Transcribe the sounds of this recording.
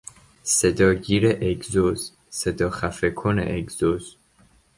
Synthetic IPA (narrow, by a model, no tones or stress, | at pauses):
sed̪ɒːɟiːɾeʔeɡzoz̥ | sed̪ɒːxæfekʰonḛʔeɡz̥oz̥